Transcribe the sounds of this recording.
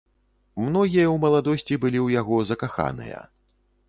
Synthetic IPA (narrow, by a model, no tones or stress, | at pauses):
mnɔɣʲijɐwmɐlˠad̪ɔsʲt͡sʲibɨlʲiwjaɣɔzɐkaxa̰nɨ̰jɐ̰